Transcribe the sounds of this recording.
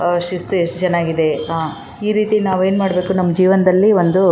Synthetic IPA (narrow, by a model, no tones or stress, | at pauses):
ʂist̪ueʂʈt͡ʃɛnaːɡid̪e̞ɦaː | iːɾiːt̪inaːʋe̞ːnmaːɽbe̞ːkunɐmːɐd͡ʒiːʋɐnɐd̪ɐlːiʋo̞nd̪u